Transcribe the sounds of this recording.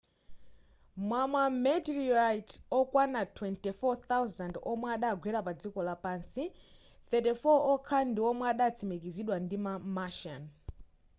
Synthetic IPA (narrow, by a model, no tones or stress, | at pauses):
mwamamɛtiɹajtɔkwanatʰwɛntifɔt̪awzandɔmwaɗaɡʱwɛɾapad͡zikɔlapaːnsi | θɛtifɔɔkʰandiɔmwaɗat͡sʰimik̬iziɗwandimamaʃan